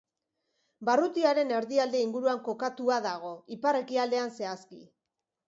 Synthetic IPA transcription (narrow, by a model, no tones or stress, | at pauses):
barut̪iaɾe̞ne̞ɾðiald̪e̞iŋɡuɾuaŋko̞kat̪uaðaɣ̞o̞ipare̞kiald̪e̞anse̞askḭ